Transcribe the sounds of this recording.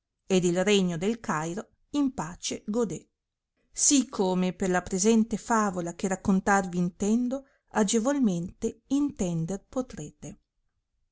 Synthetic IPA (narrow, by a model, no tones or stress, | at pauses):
ed̪ilreɲːod̪elkajɾo | impaːt͡ʃeɡod̪e | sikʰːomeperlapɾezɛnt̪efaːvolak̟erakːont̪arviːnt̪ɛnd̪o | ad͡ʒevolment̪eint̪ɛnd̪erpot̪ɾeːt̪e